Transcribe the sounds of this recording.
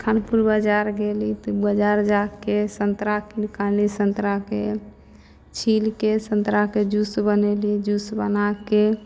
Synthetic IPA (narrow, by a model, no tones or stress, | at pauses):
kʰanpuɾbəd͡ʒaɾɡelit̪ɔbəd͡ʒaɾd͡ʒakːesənt̪ɾakinkanisənt̪ɾakḛ | t͡ʃʰilkesənt̪ɾaked͡ʒusbənelid͡ʒusbənake